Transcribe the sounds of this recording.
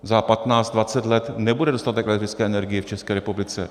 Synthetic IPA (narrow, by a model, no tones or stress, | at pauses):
zapat̪naːt͡sd̪dvat͡sɛt̪lɛt̪nɛbudɛdo̞st̪at̪ɛkʔɛlɛkt̪ɪt͡skɛːɛnɛɾɡɪjɛft͡ʃɛskɛːɾɛpublɪt͡sɛ